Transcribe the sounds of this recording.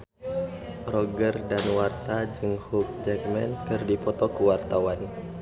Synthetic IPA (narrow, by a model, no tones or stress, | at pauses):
rɔɡərdanwart̪ad͡ʒɨŋhuk̚d͡ʒɛkmɛnkɨrdipɔt̪ɔkuwart̪awan